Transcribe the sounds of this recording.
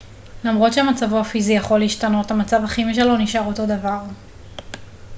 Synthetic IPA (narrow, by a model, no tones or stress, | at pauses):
lamʁo̞tʃeamat͡savoafizijaχo̞lːiːʃtano̞tamat͡savhaχimiʃ̬elo̞niʃaʁoto̞davaʁ